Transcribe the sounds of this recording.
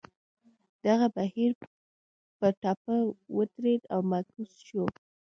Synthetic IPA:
d̪̥aɣabahiɾ | pəʈɑpəwət̪ɾed̪awmakusʃo

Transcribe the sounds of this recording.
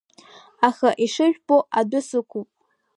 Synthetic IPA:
aχaʔiʂɨʒᶣboʔadʊsɨkʰʷupʼ

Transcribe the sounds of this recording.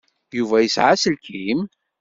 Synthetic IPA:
juvæjəsʕasəlkim

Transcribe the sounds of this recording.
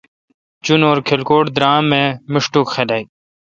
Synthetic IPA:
t͡ɕunoːɾkʰelkoːʈd̪ɾaːmẽmɪʂʈukxedaːi

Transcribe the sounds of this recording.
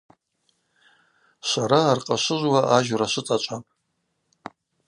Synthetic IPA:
sʷaɾaːrqʼaʃʷɨʒʷwaʔaʒraʃʷɨt͡sʼat͡ʃʷʼa

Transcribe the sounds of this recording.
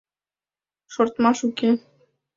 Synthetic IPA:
ʃoɾt̪mɑʃuke

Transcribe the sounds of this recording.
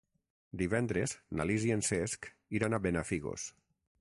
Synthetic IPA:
d̪iβɛnd̪ɾezna̰liziensesk | iɾanaβenafiɣo̰s

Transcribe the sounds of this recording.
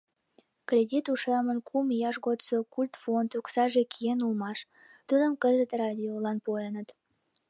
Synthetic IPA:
krʲedʲit̪uʃemənkʰumjɑʃɣot̪t͡sokulʲt̪font̪uksɑʒekʰijenulmɑʃ | t̪ud̪ə̆mkəzət̪rɑd̪ʲiolɑnpojenət̪

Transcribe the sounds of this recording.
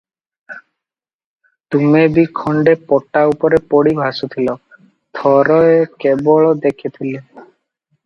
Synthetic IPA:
t̪umebikʰɔɳɖepɔʈaupɔɾepɔɽibʱasut̪ʰilɔ | t̪ʰɔɾɔekebɔɭɔd̪ekʰit̪ʰile

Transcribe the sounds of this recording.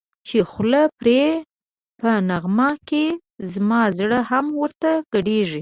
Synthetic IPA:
t͡ʃexləpɾe | pənaɣmɑke | zmɑzɽəhamwəɾt̪aɡ̥əɽeʐi

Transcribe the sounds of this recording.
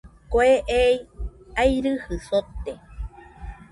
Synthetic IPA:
koeʔejajɾɨhɨsot̪ːe

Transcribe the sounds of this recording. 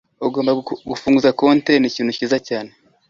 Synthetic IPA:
uɡo̞ːmbaɡufuːŋɡuzakonteniciːn̥huciːzacaːne

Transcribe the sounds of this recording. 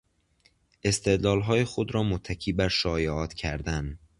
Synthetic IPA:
ʔe̞st̪ʰe̞d̪lɒːlɦɒːjexod̪ɾɒːmot̪ʰːækʰiːbæɾʃɒːjeɒːt̪ʰcʰæɾd̪æn

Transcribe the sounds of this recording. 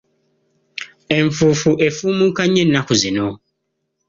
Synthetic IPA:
ɛɱfufuʔefumũkʰaɲɛ̃n̩ːãkʊzɛnɔ̃

